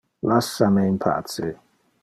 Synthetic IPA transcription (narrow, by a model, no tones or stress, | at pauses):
lasːameimpʰa̰ːt̪se